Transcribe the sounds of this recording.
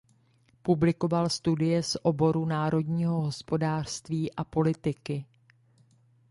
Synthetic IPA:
publɪko̞valst̪udɪjɛsʔo̞bo̞ɾunaːɾo̞dɲiːɦo̞ɦo̞spo̞daːr̥st̪viːʔapo̞lɪt̪ɪkɪ

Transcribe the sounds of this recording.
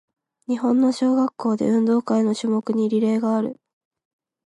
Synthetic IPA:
ɲ̟iɦõ̞nːo̞ɕo̞ːɡakːo̞ːd̪e̞̰ɯ̟̃nd̪o̞ːkaino̞ɕɨːmo̞kɯ̟ɲ̟iɾʲiɾe̞ːɡaːɾɯ̟̰

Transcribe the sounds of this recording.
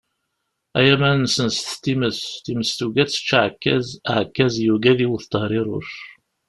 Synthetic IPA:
æjæmænsənst̪t̪ːiməst̪iməst̪uɡæt͡sːə̥t͡ʃːʕkːæz̰ʕəkːæzjuɡæðiwuθt̪ːəhɾˤiɾˤʊ̰ʃ

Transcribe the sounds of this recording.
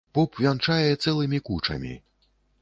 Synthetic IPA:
pɔpvʲant͡ʂajɛɛt̪sɛlˠɨmʲikut͡ʂɐ̰mʲḭ

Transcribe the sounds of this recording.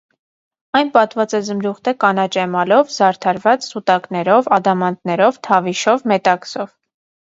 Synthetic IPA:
ɑjnpɑt̪vɑt͡sɛzəmɾuχt̪ʰɛkɑnɑt͡ʃɛmɑlɔvzɑɾt̪ʰɑɾvɑt͡ssut̪ɑknɛɾɔvɑd̪ɑmɑnt̪nɛɾɔvt̪ʰɑviʃɔvmɛt̪ɑksɔv

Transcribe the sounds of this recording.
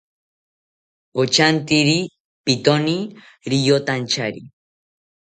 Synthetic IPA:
ot͡ʃant̪iɾi | pit̪oni | ɾijot̪ant͡ʃaɾi

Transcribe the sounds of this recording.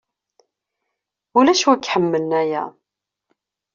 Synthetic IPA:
ulæʃwəkːħəmːələnæjæ̰

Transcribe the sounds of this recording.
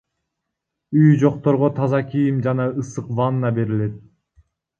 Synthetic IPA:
yjd͡ʒo̞q̚t̪o̞ɾʁot̪ʰɑzɑkijimd͡ʒɑnɑɯsɯqvɑnːɑbe̞ɾile̞t̪̚

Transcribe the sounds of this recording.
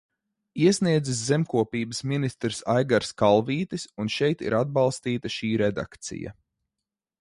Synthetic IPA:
iɛsniɛd̪ziszɛmkuɔpiːbəsminist̪ɾsajɡaɾskalˠviːt̪isunʃɛjt̪ḭɾad̪̚bɑlˠst̪iːt̪aʃiːɾɛd̪a̰kt̪sḭja̰

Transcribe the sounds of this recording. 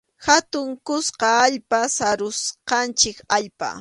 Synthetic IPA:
hat̪ʊŋkʊsqɑaʎpasaɾʊsqɑnt͡ʃɪkaʎpa̰

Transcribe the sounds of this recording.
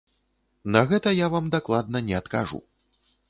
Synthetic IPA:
nɐɣɛt̪ɐjavamd̪aklˠad̪nɐnʲɛɐt̪kaʐṵ

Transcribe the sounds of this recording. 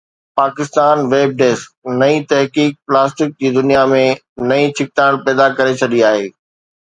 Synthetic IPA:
paːkɪst̪aːnʋeːb̚ɖeːsk̚nɐit̪ɐɦkiːk̚plaːsʈɪk̚d͡ʑiːd̪ʊnijamẽ | nɐĩt͡ɕʰɪk̚t̪aːɽ̃pɛːd̪akɐɾet͡ɕʰɐɗiaːɦeː

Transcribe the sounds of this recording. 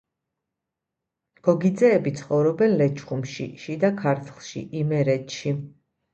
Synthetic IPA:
ɡ̥ɔɡid̪zɛːbit̪sʰχɔvɾɔbɛnlɛt͡ʃʰχumʃḭʃid̪akʰaɾt̪ʰlˠʃḭʔimɛɾɛt̪ʃi

